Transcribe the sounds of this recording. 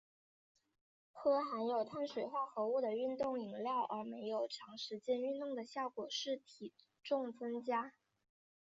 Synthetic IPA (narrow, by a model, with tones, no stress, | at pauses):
xɤ˥xa˧˥njo˨˩ʊt̪ʰa˥˩nʂwe˨˩ɪxwa˥˩xɤ˧˥u˥˩d̪ə˩y˥˧nt̪ʊ˥˩ŋi˨˩ŋljɑ˥˩ʊʔə˞˧˥me˧˥ɪjo˨˩ʊʈ͡ʂʰɑ˧˥ŋʂɻ̩˧˥t͡ɕjɛ˥ny˥˧nt̪ʊ˥˩ŋd̪ə˩ɕjɑ˥˩ʊkwɔ˨˩ʂɻ̩˥˩t̪ʰi˨˩ | ʈ͡ʂʊ˥˩ŋt͡sɤ˥ŋt͡ɕja˥